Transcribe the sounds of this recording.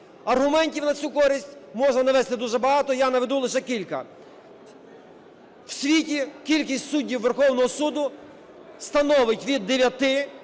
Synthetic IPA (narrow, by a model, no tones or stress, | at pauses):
ɐrɦʊmɛnʲtʲiwnɐt͡sʲukɔɾʲisʲtʲmɔʒnɐnɐʋɛst̪ɪd̪uʒɛbɐɦɑt̪ɔjanɐʋed̪ulˠɪʃɛkʲilʲkɐ̰ | w̥sʲʋʲitʲikʲilʲkʲisʲtʲsudʲːiwʋerxɔwnɔɦɔsud̪ʊ | st̪ɐnɔʋɪtʲʋʲid̪ːeʋʲjɐt̪ɪ